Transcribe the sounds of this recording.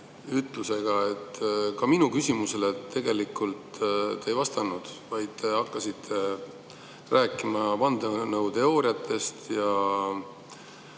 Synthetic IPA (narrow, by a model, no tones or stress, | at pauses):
yt̪ˑluse̞ɡ̥ɑe̞t̪ːkɑminukysimuse̞let̪ːe̞ɡe̞likˑult̪t̪eejvɑst̪ɑnud̪̥vɑjd̪̥̚t̪e̞ɑkːɑsit̪ʰːe̞ | ræːkˑimɑvɑnd̪̥enɤwt̪e̞o̞ːɾiɑt̪ʰːˑe̞st̪jɑ